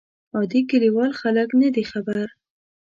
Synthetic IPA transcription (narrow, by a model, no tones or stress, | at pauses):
ɑd̪ikəliwɑlxaləknad̪ixabaɾ